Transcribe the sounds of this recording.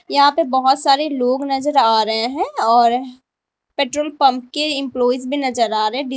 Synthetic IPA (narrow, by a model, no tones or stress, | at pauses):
jɐɦãpebɐɦʊt̪saːɾeloːɡnɐzəɾaːɾɐɦẽɦɛ̃ɔːɾ | peːʈɾoːlpɐ̃mp̚keɪ̃mplɔːizbʱinɐzəɾaːɾɐɦɛ̃ɖɪ